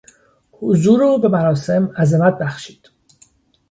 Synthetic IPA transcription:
hozuːɾuːbe̞mæɾɒːse̞mæzemæt̪̚bæxʃi̥ːd̪̥

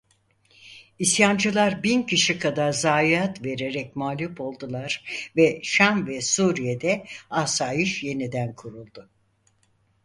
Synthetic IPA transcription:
isjand͡ʒɯlˠaɾbinciʃikʰad̪aɾzaːiat̪ve̞ɾe̞ɾɛcmaːlʲupʰo̞lˠd̪ulˠaɾ̥vɛʃanvɛsuːɾije̞d̪ɛasaːjɯʃje̞nid̪ænkʰuɾulˠd̪ʊ

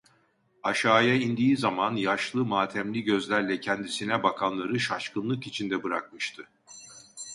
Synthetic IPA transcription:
aʃaːjaind̪iːzamanjaʃlˠɯmaːt̪ʰæmlʲiɟø̞zlʲæɾlʲɛcʰɛnd̪isinɛbakʰanlˠaɾɯʃaʃkʰɯnlˠɯkit͡ʃʰind̪ɛbɯɾak̚mɯʃt̪ʰɯ

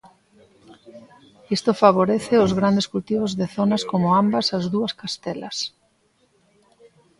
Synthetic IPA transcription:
ist̪ofaβ̞oɾeθɪozɣɾand̪eskult̪iβ̞ozðeθonaskomoambɐsazðuɐskast̪ɛlɐs

